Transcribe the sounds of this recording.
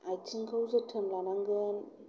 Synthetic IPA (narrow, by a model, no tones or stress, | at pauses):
ajt͡sʰɯŋkʰawzɯtʰɯmlanaŋɡɯn